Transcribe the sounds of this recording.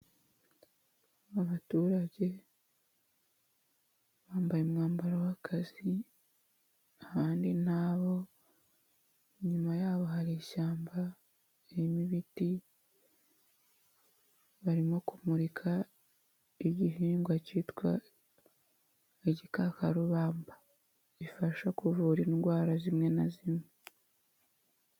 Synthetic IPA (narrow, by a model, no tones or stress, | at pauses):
aβatuːɾaɟe̞ | βaːmbajemŋaːmbaɾowakʰazi | ahaːndinaːβo̞ | ɲumajaːβo̞haɾeʃaːmba | emiβiti | βaɾimo̞kumuɾikʰa | iɟiɦiːŋɡwacitkwa̰ | eɟikakaɾuβaːmbḁ | βifaʃakuvuɾinɡwaːɾazimŋe̞nazimŋe